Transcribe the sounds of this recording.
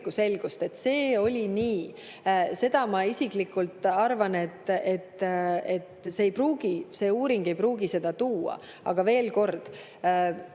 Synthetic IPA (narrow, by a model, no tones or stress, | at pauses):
kːuse̞lɡ̥ust̪e̞t̪se̞ːo̞lʲiniː | se̞d̪̥ɑmɑisiklikːˑult̪ˑːɑrvɑne̞t̪ːe̞t̪ːe̞t̪seːjpruːɡ̥ise̞ːuːɾiŋɡ̥e̞jpruːɡise̞d̪̥ɑt̪uːɑ̰ | ɑ̰ɡ̥ɑve̞ːlko̞rd̪̥